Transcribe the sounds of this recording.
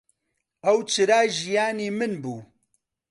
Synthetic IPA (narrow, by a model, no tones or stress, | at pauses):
ɛwt͡ʃʰɨɾaːʒijaːniːmɨnbuː